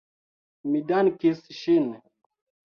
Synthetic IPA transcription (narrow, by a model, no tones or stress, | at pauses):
midankisʃin